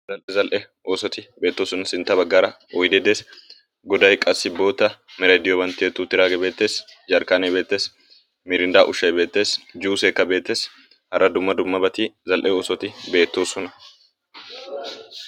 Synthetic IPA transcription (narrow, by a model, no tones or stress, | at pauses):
zɐlʔɛzɐlʔɛ | oːsɔt̪ɪbe̞ːt̪ːoːsɔnɐsɪnt̪ːɐbɐɡːaːɾɐ | ɔjd̪ɛd̪eːs | ɡɔd̪ɐjkʼɐsːɪbo̞ːt̪ːɐmɛɾɐd̪ɪjɔbɐnt̪ːɪet̪ːuːt̪ːɪɾaːɡɛbe̞ːt̪ːe̞ːsd͡ʒɐɾkaːnɛbe̞ːt̪ːe̞ːs | mɪɾɪnd̪aːʔʊʃːɐjbe̞ːt̪ːe̞ːsd͡ʒuːseːkːɐbe̞ːt̪ːe̞ːs | hɐrːɐd̪ʊmːɐd̪ʊmːɐbɐt̪ɪzɐlʔɛoːsɔt̪ɪbe̞ːt̪ːoːsɔnɐ